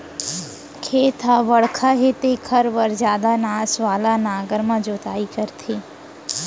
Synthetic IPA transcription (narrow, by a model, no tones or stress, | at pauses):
kʰeːt̪ʰaʋɐɽkʰaɦeːt̪ekʰəɾʋəɾd͡ʒjaːd̪anaːsʋaːlanaːɡəɾmãd͡ʒoːt̪aːikəɾt̪ʰiː